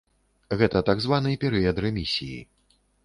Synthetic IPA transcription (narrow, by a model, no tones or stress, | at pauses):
ɣɛt̪ɐt̪aɡzvanɨjpʲɛɾɨɐd̪ɾɛmʲisʲijḭ